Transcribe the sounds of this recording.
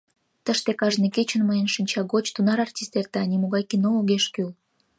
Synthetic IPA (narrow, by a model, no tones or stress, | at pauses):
t̪əʃt̪ekɑʒneket͡ɕə̆nməjənʃinʲt͡ɕɑɣot͡ɕt̪unɑɾɑrtʲist̪ert̪eɑnʲimoɣɑjkinoloɣeʃkyl